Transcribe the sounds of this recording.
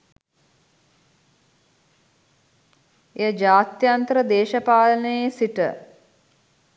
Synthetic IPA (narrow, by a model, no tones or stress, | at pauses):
ejəd͡ʒaːt̪jant̪əɾəd̪eːʃɐpaːlənəjesiʈə̰